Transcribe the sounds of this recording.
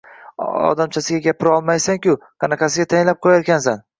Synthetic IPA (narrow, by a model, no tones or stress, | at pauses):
ɒ̰d̪amt͡ʃʰasɪɡʲaɡʲapʰɪɾɒlˠmajsaŋkʲʊqʰɑnɑqʰɑs̬ɪɡʲat̪ʰajɪnlap̚qʰojaɾkʲʰansan